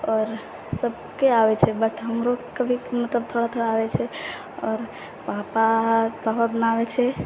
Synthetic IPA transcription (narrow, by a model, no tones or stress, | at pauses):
ɔɾ | səb̚ | keaʋɛt͡ʃʰɛbəʈʰɦəmɾokəbʱimət̪ləb̚t̪ʰoɽat̪ʰoɽaːʋɛt͡ʃʰɛ | ɔːɾ | papapapabənaʋɛt͡ʃʰɛ